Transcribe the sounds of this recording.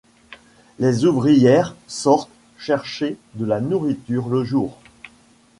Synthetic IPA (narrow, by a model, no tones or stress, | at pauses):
lezuvʁijɛʁsɔʁt̪ | ʃɛʁʃed̪əlanuʁit̪yʁləʒuːʁ